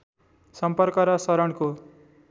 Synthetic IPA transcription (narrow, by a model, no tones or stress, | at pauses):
sʌmpʌrkʌɾʌsʌɾʌɳko